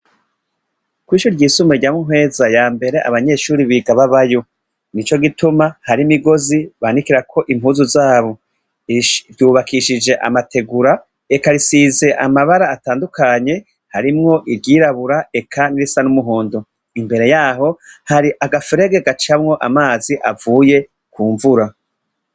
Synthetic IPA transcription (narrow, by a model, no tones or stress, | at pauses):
kwiːʃuɾɾɟiːsumeɾɟamuɦwe̞ːzajaːmbe̞ɾe̞ʔa̰βaɲe̞ːʃuːɾiβiɡaβaβajo | nit͡ʃo̞ɡitumahaɾimiɡo̞ziβanikiɾakʰo̞ʔim̥huːzuzaːβo̞ | ɟuːβakiʃid͡ʒe̞ʔa̰matʰe̞ɡuɾa | ekaɾisize̞ʔamaβaɾaːtaːndukaɲe̞ | haɾimŋo̞ʔiɾɟiːɾaβuɾae̞kʰaniɾisanumuɦo̞ːndo | imbe̞ɾe̞jaːɦo̞haɾiʔaɡafeɾe̞ɡeɡat͡ʃamŋo̞ʔamaːziʔa̰vuːje̞ | kuːɱvuɾa